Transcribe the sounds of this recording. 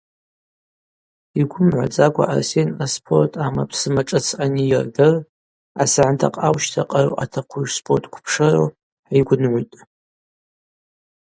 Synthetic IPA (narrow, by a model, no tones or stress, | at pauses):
iɡʷʊmʕʷa̰d͡zʼaɡʷa̰ʔa̰rsenaspʰo̞rtʰʼama̰pʰsɨmaʈ͡ʂʼɨt͡sʰanijɪrdɨr | asaʕantʰa̰qʼawʃtʰaqʼaɾo̰ʔatʰaqʷʰuʒspʰortʼkʷʰpʰʂaɾo̰ | ħaijɡʷʊnʕʷujtʼ